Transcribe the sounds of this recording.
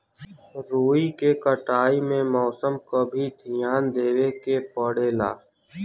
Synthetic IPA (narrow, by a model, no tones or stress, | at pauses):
ɾoːikekəʈaːimẽmɔːsəmkobʱid̪ʱɪjaːnd̪eːwekepəɽeːla̰ː